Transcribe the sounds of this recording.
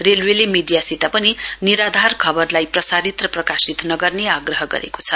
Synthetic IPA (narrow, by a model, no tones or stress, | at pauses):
relwelemiɖijasit̪apʌniniɾad̪ʱarkʰʌbʌrlajprʌsaɾit̪rʌprʌkasit̪nʌɡʌrneaɡrʌɦʌɡʌ̰ɾḛko̥t͡sʰʌ